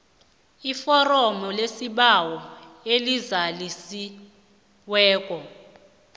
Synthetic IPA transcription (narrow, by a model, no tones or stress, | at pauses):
ifɔrɔmɔlesiɓawɔelizalisi | wɛːk̬ʼɔ